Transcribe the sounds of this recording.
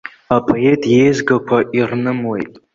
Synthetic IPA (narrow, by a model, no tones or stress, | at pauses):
apʼʰoetʰʼjejzɡakʷʰaʔirnɨmwe̞̰jtʼ